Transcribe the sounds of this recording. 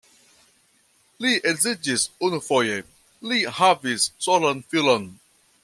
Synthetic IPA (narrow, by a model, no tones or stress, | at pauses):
liʔɛɡzid͡ʒisunufɔje | lihavissɔlə̃nfilɔ̃n